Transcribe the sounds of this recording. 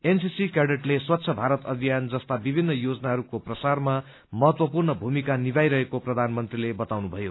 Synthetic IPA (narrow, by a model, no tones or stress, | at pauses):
ensisikeɖeʈleswʌt̪ːsʰʌbʱaɾʌt̪ʌbʱijand͡zʌst̪abibʱinːʌjod͡zʌnaɦʌɾukoprʌsarma | mʌɦʌt̪wʌpurnʌbʱumikanibajɾʌɦekoprʌd̪ʱanmʌnt̪rilebʌt̪awnubʱʌjo